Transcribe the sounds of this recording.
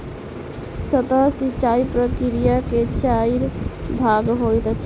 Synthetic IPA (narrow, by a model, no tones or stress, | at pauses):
sət̪əɦsit͡ʃaipɾəkiɾijaket͡ʃaiɾbʱaɡɦojt̪t͡ʃʰ